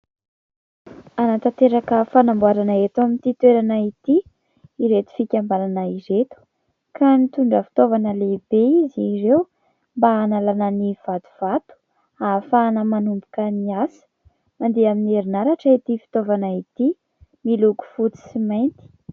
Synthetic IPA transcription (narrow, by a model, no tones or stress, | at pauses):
anat̪at̪eɾakəfanambuaɾanaet̪uamint̪it̪weɾanait̪i | iɾet̪u̥fikʲambalanaiɾet̪u̥ | kanit̪uɳɖ͡ʐəfi̥t̪ovanəlebeizirew | mbaːnalanəniv̥at̪u̥v̥at̪u̥ | afanəmanumbu̥kəniasə̥ | mand̪eaminieɾinaɾaʈ͡ʂəit̪ifi̥t̪ovanait̪i | miluku̥fut̪i̥simajnt̪i̥